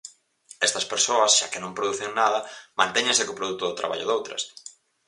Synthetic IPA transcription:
ɛst̪ɐspeɾsoɐsʃa̰kɪnõmpɾoðuθeŋnaðɐmãnt̪ɛɲẽŋsɪkopɾoðut̪ʊðɪt̪ɾa̰βa̰ʎʊ̰ðowt̪ɾɐ̰s

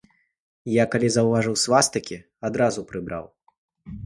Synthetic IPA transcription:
jakalʲizɐwvaʐɨwsvast̪ɐkʲi | ad̪ɾazupɾɨbɾʔa̰w

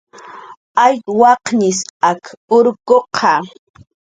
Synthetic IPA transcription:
ajwɑqɲɪsakʊɾkoqʰɑ

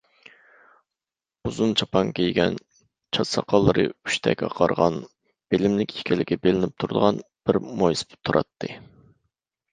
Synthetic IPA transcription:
uzunt͡ʃʰɑpʰɑŋkʲʰejɡʲɛn | t͡ʃʰɑt̪sɑqʰɑlˠːɨɾɨy̥ʃt̪ʰɛkʲɑ̰qʰɑɾʁɑn | b̥elɪmlɪkʲi̥kʲʰɛlɪkʲɛbelɪnɪp̚t̪ʰuɾd̪əʁɑnb̥ɪɾmojspt̪ʰuɾʔɑ̰t̪ʰːɨ

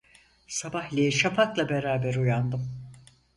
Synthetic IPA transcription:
sabahlʲeiʃapʰaklˠabeɾaːbæɾujand̪ɯm

